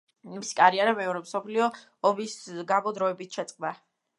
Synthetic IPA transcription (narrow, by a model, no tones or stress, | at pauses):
imisi̥kʼaɾiaɾamɛɔɾɛmsɔpʰliɔː | bisɡabɔd̪ɾɔɛbit̪ʰʃɛt̪sʼqʼd̪a